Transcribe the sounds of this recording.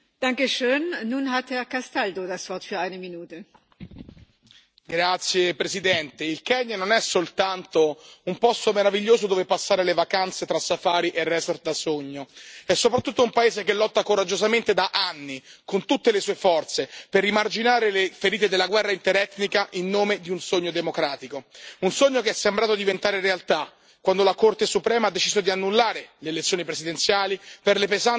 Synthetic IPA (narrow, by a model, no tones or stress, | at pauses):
d̥aŋkəʃøːnːuːnɦat̪hɛɐkastaldodasv̥ɔɐtfyːɐaɪnəminuːtə | ɡɾat̪sːjepɾezid̪ɛnt̪eilkɛɲːanonɛsːolt̪ant̪oumpɔst̪omeɾaviʎːoːzod̪oːvepasːaːɾelevakant̪set̪ɾasːafaːɾiʔerːɛsoɾ̚d̪asoɲːoɛsːopɾat̪ːut̪ːoumpaeːzekelːɔt̪ːakoɾad͡ʒːozament̪ed̪aʔanːikont̪ut̪ːelesuːefɔrt̪seperːimard͡ʒinaːɾelefeɾiːt̪ed̪elːaɡwɛrːaint̪eɾɛt̪nikaʔinːoːmed̪iunsoɲːod̪emokɾaːt̪ikounsoɲːokeɛsːembɾaːt̪od̪ivent̪aːɾeɾealt̪a | kːwand̪olakort̪esupɾɛːmad̪ːet͡ʃizod̪ianːulːaːɾeleːlet̪sːjoːnipɾezid̪ent̪sjaːliperlepezan